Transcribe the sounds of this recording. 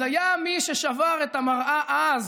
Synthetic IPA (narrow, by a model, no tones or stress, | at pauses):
ajamiʃeʃavaʁet̪amaʁʔaʔaz